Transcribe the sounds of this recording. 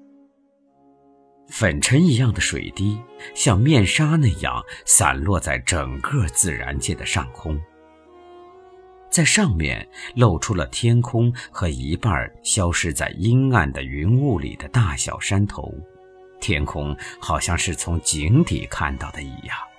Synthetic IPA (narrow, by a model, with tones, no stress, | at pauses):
fə˨˩nʈ͡ʂʰə˧˥ni˧˥jɑ˥˩ŋd̪ə˩ʂwḛ˨˩ɪt̪i˥ɕjɑ˥˧ŋmjɛ˥˩nʂa˥na˥˧jɑ̰˥˩ŋsa̰˨˩nlwɔ˥˧t͡sa˥˩ɪʈ͡ʂə˨˩ŋkɤ˥˧t͡sɹ̩˥˩ɻa̰˧˥nt͡ɕjɛ˥˩d̪ə˩ʂɑ̰˥˩ŋkʰʊ˥ŋ | t͡sa˥˧ɪʂɑ˥˧ŋmjɛ̰˧˩nlo˥˩ʊʈ͡ʂʰu˥lə˨t̪ʰjɛ˥nkʰʊ˥ŋxɤ˧˥i˧˥pa̰˥˩ɕjɑ˥ʊʂɻ̩˥˧t͡sa̰˥˩ɪi˥na˥˩nd̪ə˩y˧˥nu˥˩lḭ˨˩d̪ə˦t̪a˥˩ɕjɑ̰˨˩ʊʂa˥nt̪ʰo̰˧˥ʊ | t̪ʰjɛ˥nkʰʊ˥ŋxɑ˨˩ʊɕjɑ˥˧ŋʂɻ̩˥˩t͡sʰʊ˧˥ŋt͡ɕi˧˥ŋt̪ḭ˨˩kʰa̰˥˧nt̪ɑ˥˩ʊd̪ə˩ḭ˧˩jɑ˥˩ŋ